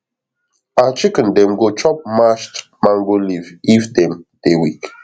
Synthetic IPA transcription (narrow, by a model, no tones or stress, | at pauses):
at͡ʃikə̃ndɛ̃mɡot͡ʃɔp̚maʃt | mãŋɡolivifdɛ̃md̥ewik